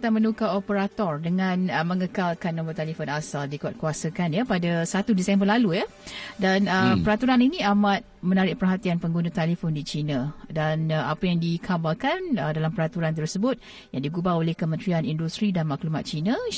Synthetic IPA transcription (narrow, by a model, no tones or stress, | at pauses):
t̪amə̃nukaopəɾat̪ɔrdəŋãnəməŋəkalkanːɔ̃mbɔt̪ɛlifɔnasaldikuat̪̚kuasəkanjapadasat̪udisɛmbərlalujadanəpəɾat̪uɾaninĩamat̪̚mə̃naɾɪʔ̚pərɦat̪ianpəŋɡunat̪alifɔndit͡ʃinãdanapajaŋdikʰabalkanədalampəɾat̪uɾant̪̬ərsəbʊt̪̚ | jaŋdiɡubaolehkəmə̃nt̪ɾianindust̪ɾidanmaklumat̪̚t͡ʃina